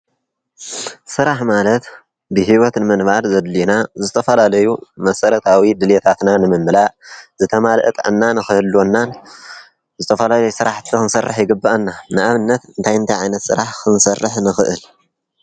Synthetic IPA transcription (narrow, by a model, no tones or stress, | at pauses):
sɨɾaħmalɐt̪ | bɨɦiwɔt̪nɨmɨnbaɾzɐd̪linazɨt̪ʰɐfɐlalɐjumɐsɐɾɐt̪ʰawid̪ɨlet̪ʰat̪nanɨmɨmːɨlaʔzɨt̪ʰɐmalʔɨt̪ʼʕɨ̰nːanɨxɨhɨlːonːan | zɨt̪ʰɐfɐlalɐjusɨɾaħt̪ʰɨkɨnsɐrːɨħjɪɡɨbːaʔɐnːanɨʔaβɨnːɐt̪ɨnt̪ʰajɨnt̪ʰajʕajnɐt̪sɨ̰ɾaħkʰɨnsɐrːɨħnɨxɨʔɨl